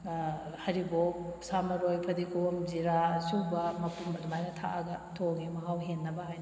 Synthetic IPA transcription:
hɐɾibopsamɐɾojpʰɐdikʰomziɾasubɐmɐpumbɐdumajnɐtʰa̰ʔɐɡɐtʰoɡimɐɦawɦenːɐbɐɦajnɐ

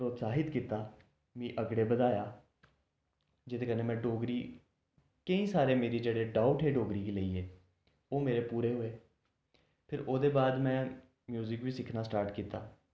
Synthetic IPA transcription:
pɾoːt̪saːɦɪt̪kiːt̪aː | mĩːʔəɡɽeːbəd̪aːjaː | d͡ʒet̪eːkəneːmɛ̃ːɖoːɡɾiː | kəĩːsaːɾeːmeːɾiːd͡ʒeːɽeːɖaːʊʈɦeːɖoːɡɾiːkiːləiːeː | oːmeːɾeːpuːɾeːɦoːeː | pʰɪɾoːd̪eːbaːd̪mɛ̃ː | mjuːzɪkʋiːsɪkʰnaːsʈaːɾʈkiːt̪aː

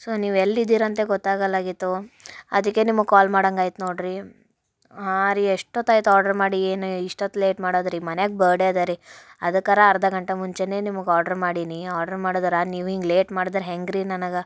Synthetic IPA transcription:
soːniːʋelːid̪ːiːɾɐnt̪e̞ɡɔt̪ːaːɡɐlaːɡit̪ːuɐ̰d̪ɐkːe̞nimukaːlmaːɽɐŋɡaːjt̪unoːɽɾi | ɦaɾieʂʈoːt̪ːaːjt̪uaːɾɖɐɾmaːɽieːnuiʂʈɐt̪ːule̞ːʈmaːɽoːd̪ɾimɐneɡ̚bɐːɖed̪ɐɾiɐd̪ɐkːɐɾɐːɾɐd̪ɐɡɐɳʈemuɲt͡ʃene̞ːnimɐɡaːɾɖɐɾmaːɽiniaːɾɖɐɾmaːɽod̪ɐɾaniːʋiːŋɡleːʈmaːɽd̪ɐɾeɦeŋɡɾinɐnɐɡɐ

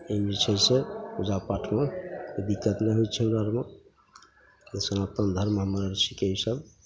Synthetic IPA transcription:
ebit͡ʃʰəjsʰeud͡ʒapaʈʰmed̪ikːət̪neɦojt͡ʃʰɛmɾaɾma | esənat̪ənd̪ʱəɾmɦəmaɾaɾsikeɦisəb

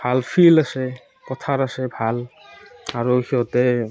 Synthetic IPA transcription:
b̥ʱalpʰilase | kɔt̪ʰaɾasebʱal | aɾohiɔt̪e

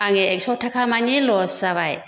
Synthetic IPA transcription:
aŋeɛksɔtʰakʰamaɲelɔsaβaj

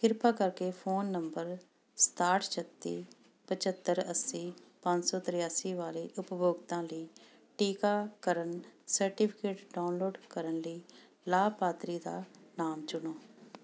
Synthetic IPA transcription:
kɪɾpaːkəɾkeːpʰoːnːəmbəɾ | st̪aːɾʈt͡ʃʰət̪ːḭː | pət͡ʃət̪ːəɾəsĩːpə̃ɲd͡ʒsɔːt̪ɾɪjaːsiːʋaːleːʔʊpboːɡt̪ãːləiː | ʈiːkaːkəɾənsəɾʈipʰɪ̥keːʈɖaːʊnloːɖkəɾənləiː | laːbpaːt̪ɾiːd̪a̰ːnaːmt͡ʃʊnoː

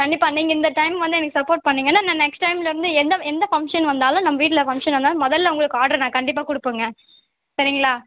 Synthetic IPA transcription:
kɐɳːɪpːaːnːiːŋɡɐɪnd̪ɐʈɐɪmʋɐnd̪ɯɛnɐkːɯsɐpːoːɾʈ̚pɐɳːiːŋɡɐnːaːnãnɛksʈːɐɪmɪlɐɪɾɯnd̪ɯɛnd̪ɐɛnd̪ɐfɐŋkʂɐnʋɐnd̪aːlʊ̃nɐmːɐʋiːʈ̬ːɪlɐfɐŋkʂɐnʋɐnd̪aːl̃mɔðɐlːɐʊ̃ŋɡɐɭɯkːɯaːʈɐɾnãːkɐɳɖɪp̬ːaːkʊɽɯpːɯŋɡɐ | sɐɾɪŋɡɐɭaː

